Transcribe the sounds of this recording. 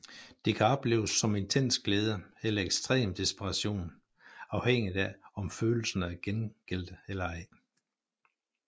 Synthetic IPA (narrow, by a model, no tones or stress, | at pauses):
d̥e̝kʰæɒ̽b̥le̝̰ːʊsːɒ̽me̝nt͡sʰen̰sɡ̥leːð̞ˠəelɐeɡ̥sd̥ʁɛ̰ːmd̥isb̥eʁɑ̈ɕo̝̰ːn | ɑ̈ʊheŋ̰ið̥ˠæɒ̽mføːl̩sən̩æɡ̥enɡ̥el̰d̥əelɐæɪ